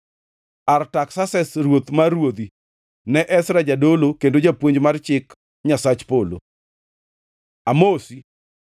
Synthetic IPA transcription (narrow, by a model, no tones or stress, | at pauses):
artaksasɛsrwot̪marwod̪i | nɛʔɛsɾad͡ʒadolokendod͡ʒapwoɲd͡ʒmart͡ʃɪk | ɲasat͡ʃpolo̰ | amosi